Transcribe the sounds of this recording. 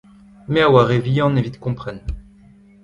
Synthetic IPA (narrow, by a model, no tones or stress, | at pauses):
mɛawaʁevijɑ̃nevit̪kɔ̃pχɛn